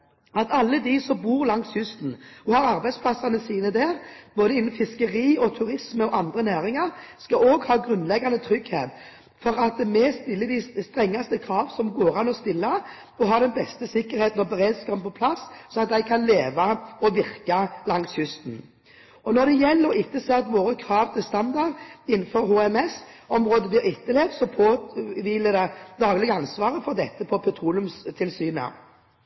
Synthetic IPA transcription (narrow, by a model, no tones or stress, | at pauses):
ɑt̪ɑlːəd̪isɔmbuːʁlɑŋsjʉst̪n̩ɔhɑɾɑɾbæɪspʰlɑsːɑnəsiːnəd̪æːʁb̥oːd̪əɪnːnfɪskəɾiːɔt̪ʰʉɾɪsməɔʔɑnd̪ʁənæːʁɪŋɑʁskɑoːɡhɑːɡɾʉnlɛɡɑnd̪ət̪ʰɾʏɡhḛːt̪ | fɔɾɑt̪mɛst̪ɪlːəd̪ɪst̪ʁɛŋːɑst̪əkʰɾɑːʋəsɔmɡoːɾɑnɔst̪ɪlːə | ɔɦɑːd̪ɛnbɛst̪əsɪkːəɾheːt̪n̩ɔbəʁed̪skɑpənpʰɔpʰlɑssɔɑt̪̚d̪æɪkʰɑnleːʋɑɔʋɪʁkɑlɑŋshʏst̪n̩ | ɔnɔd̪ɛjɛlːəɾɪt̪ːəsɛːt̪ʋoːɾəkʰɾɑːʋt̪ʰɪlst̪ɑnd̪ɑʁɪn̩ːfɔɾhoːɛmɛs | ɔmʁoːd̪əʋɪɪt̪ːəleːʋsɔpʰoːʋiːləd̪æɪd̪ɑːɡlɪɡəɑnsʋɑːʁəfɔʁd̪ɛt̪ːəpʰɔpʰɛt̪ʰɾuːlʉmst̪ʰɪlsyːnə̰